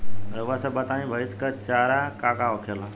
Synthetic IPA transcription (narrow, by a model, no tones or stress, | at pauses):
ɾəʋasəbat̪ãɦĩbʱəiskəɾt͡ʃaːɾakaːkaokʰela